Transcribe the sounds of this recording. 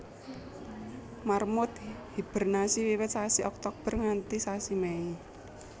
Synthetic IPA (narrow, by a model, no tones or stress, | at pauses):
marmʊt̪hib̥ə̤rnasiwiwɪt̪̚sasiɔk̚t̪ɔk̚b̥ərŋant̪isasimɛi